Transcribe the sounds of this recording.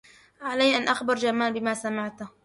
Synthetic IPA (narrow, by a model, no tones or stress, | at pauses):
ʕalajːʔanʔaxbɑɾˤd͡ʒamaːlbɪmaːsamɪʕt̪